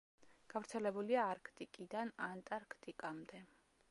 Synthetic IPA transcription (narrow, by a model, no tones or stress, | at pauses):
ɡ̥avɾt̪sʰɛlɛbuliaːɾkʰt̪ʼikʼid̪anant̪ʼaɾkʰt̪ʼikʼamd̪ɛ